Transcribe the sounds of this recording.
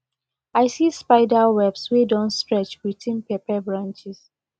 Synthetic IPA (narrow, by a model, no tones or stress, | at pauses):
aɪsispaɪdawɛbswedɔ̃nstɹɛt͡ʃwitĩnpepɛbɹãnt͡ʃis